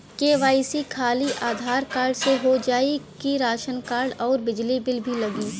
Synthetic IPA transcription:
keːʋaːɪsikʰaːliʔaːd̪ʱaːɾkaːɾɖseɦod͡ʒaːikiɾaːʃənkaːɾɖɔːɾbɪd͡ʒlibɪlbʱilɐɡiː

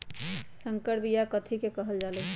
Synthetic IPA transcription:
səŋkəɾbijakət̪ʰikekəɦəld͡ʒalɛ

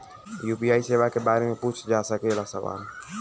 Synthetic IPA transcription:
juːpiaːiseːʋakebaːɾemẽpʊt͡ʃʰd͡ʒaːsəkelasə̰ʋa̰ːl

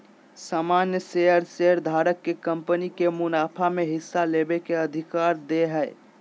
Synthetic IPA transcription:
saːmanjəseəɾseəɾd̪ʱaɾəkːekəmpənikemʊnaːpʰameɦɪsːalebekeəd̪ʱikaɾd̪eɦɛɪ

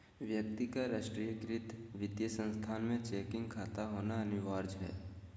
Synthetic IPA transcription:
ʋjək̚t̪ikaɾaːʃʈɾijəkɾɪt̪ʋɪd̪jəsə̃nst̪ʰaːnmẽt͡ʃeːkɪ̃ŋɡkʰaːt̪aɦoːnaɐnɪʋaːɾd͡ʒɦɛ̰ː

